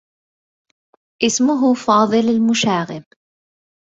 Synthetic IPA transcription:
ʔɪsmʊɦʊfɑːðˤɨlalmʊʃaːɣɪb

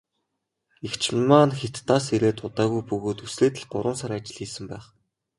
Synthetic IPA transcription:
ixt͡ɕʰmaːnxet̪ːaːs̬eɾeːt̪ʊt̪aːɣujpɵɣoːt̪usɮeːt̪ɘ̆ɮɢʊɾʊ̆ːnsaɾat͡ɕɪ̆ɮxiːsɘ̆mpæːχ

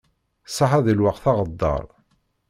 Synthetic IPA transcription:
sˤɑħæðəlwaqθɑʁəd̪ːɑ̰ɾˤ

